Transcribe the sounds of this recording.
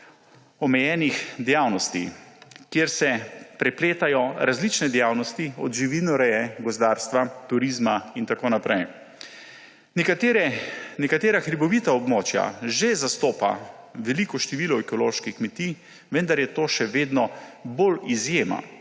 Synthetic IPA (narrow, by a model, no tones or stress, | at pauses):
ɔmɛjɛːnixd̪ɛjaːwnɔst̪ikjeɾsɛpɾɛpleːt̪ajɔɾazlit͡ʃnɛd̪ɛjaːwnɔst̪iɔ̰d̪ʒiʋinɔɾɛjɛɡɔzd̪aːɾst̪ʋat̪uɾiːzmaint̪akoːnapɾɛj | nɛkat̪ɾɛnɛkat̪eːɾaxɾibɔʋiːt̪aɔbmoːt͡ʃja̰ʒezast̪oːpa̰ | ʋɛlikɔʃt̪ɛʋiːlɔɛkɔloːʃkixkmɛt̪iː | ʋənd̪aɾjɛt̪oːʃɛʋeːd̪nɔbolizjeːma̰